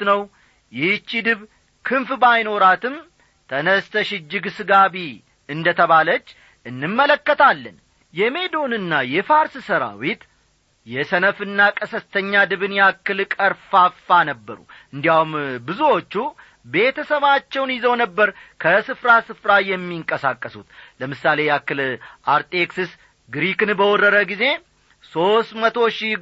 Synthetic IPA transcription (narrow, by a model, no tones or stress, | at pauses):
t̪nəw | jɪt͡ʃːid̪ɨβ | kʰɨnfbajno̞ɾat̪ʰɨm | t̪ʰənəst̪ʰəʃɪd͡ʒːɪɡsɨɡaβi | ɨnd̪ət̪ʰəβalət͡ʃː | ɨnːɨmːələkːət̪ʰalːə̰n | jɛme̞d̪o̞nɨnːajɛfaɾssəɾa̰wit̪ | jɛsənəfɨnːakʼəsəst̪ʰəɲːad̪ɨβɨnjakːɨlkʼəɾfafanəbːəɾṵʔɨnd̪ijahumbɨzuwo̞t͡ʃːu | be̞t̪ʰəsəβat͡ʃːɛwnjɪzəwnəbːəɾkʰəsɨfɾasɨfɾajɛmːiŋkʼəsakʼːəsut̪ləmɨsːale̞jakːɨlʔaɾt̪ʼeksɨs | ɡɾikɨnbəwɔrəɾəɡize̞ | so̞st̪mət̪ʰo̞ʃi